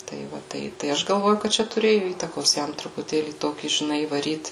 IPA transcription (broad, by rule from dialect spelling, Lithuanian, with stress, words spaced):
tɐɪ ˈʋɐ ˈtɐɪ tɐɪ ˈɐʃ ɡɐlˠˈʋoːjʊ kɐt ˈt͡ʃʲɛ tʊˈrʲeːjʊ ˈiːtɐkoːs ˈjɛm trʊpʊˈtʲeːlʲiː ˈtoːkʲiː ʒʲɪˈnɐɪ iːʋɐˈrʲiːt